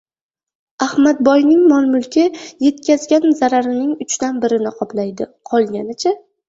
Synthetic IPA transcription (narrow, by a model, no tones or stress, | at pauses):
ahmat̪̚bɒjnɪŋmɒnmʊlˠkʲɪje̞t̪kʲazɡʲanzaɾaɾɪnɪŋʊt͡ʃt̪anbɪɾɪnɪqʰɒplajd̪ɪqʰɒlˠɡʲanɪt͡ʃʰa